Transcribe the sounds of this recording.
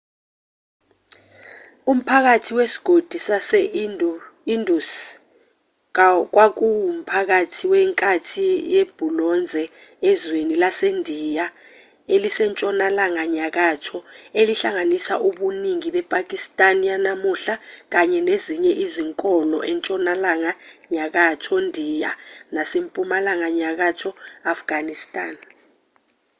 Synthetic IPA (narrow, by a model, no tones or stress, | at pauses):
um̩pʰak̬atʰiwesi̥ɡ̥ʱod̥ʱisasɛ | indʱus | k̬wak̬uum̩pʰak̬atʰiwɛŋkʼatʰijeb̥ʱulɔnd͡zʱɛɛzwenilasendʱija | elisɛnt͡ʃʼɔnalaŋaɲak̬atʰɔeliɬaŋanisaʔuɓuniŋiɓɛpʼak̬ʼistʼanjanamuɬak̬aɲɛneziɲɛʔiziŋkʼɔlɔ̰ʔɛnt͡ʃʼɔnalaŋaɲak̬atʰɔndʱijanasempʼumalaŋaɲak̬atʰɔafɡ̥ʱanistʼaːn